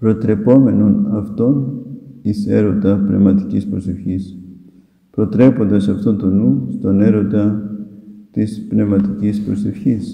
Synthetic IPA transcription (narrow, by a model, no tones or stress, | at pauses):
pɾo̞t̪ɾe̞po̞me̞no̞nɐft̪o̞nise̞ɾo̞nd̪ɐpne̞̰vmɐt̪icispɾo̞se̞fçis | pɾo̞t̪ɾe̞po̞nd̪ɐsɐft̪ont̪o̞nust̪o̞ne̞ɾo̞nd̪ɐ | t̪ispne̞vmɐt̪icispɾo̞se̞fçis